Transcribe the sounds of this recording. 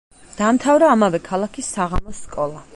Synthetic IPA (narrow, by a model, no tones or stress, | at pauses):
d̪̥amt̪ʰavɾaːmavɛkʰalˠakʰisːaʁamɔsːkʼɔlˠa